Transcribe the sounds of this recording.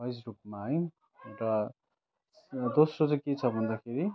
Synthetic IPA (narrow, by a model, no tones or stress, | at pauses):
bʌjsrup̚maɦʌj | ewrʌ | d̪osrot͡sʌ̃ket͡sʰʌbʱʌnd̪akʰeɾi